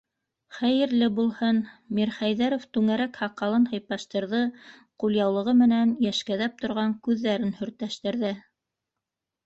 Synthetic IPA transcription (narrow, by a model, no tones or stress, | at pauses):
χæjɘ̆ɾlɘbulˠhɤnmiɾχæjðæɾoft̪ʉŋæɾækhɑqːɑlˠɤnhɤ̆jpɑʃt̪ɤ̆ɾðɤqulʲˠjɑwlˠɤ̆ʁɤmɘ̆nænjæʃkæðæp̚t̪ŏɾʁɑŋkʉðːæɾɘnhɵ̆ɾt̪æʃt̪ɘ̆ɾðɘ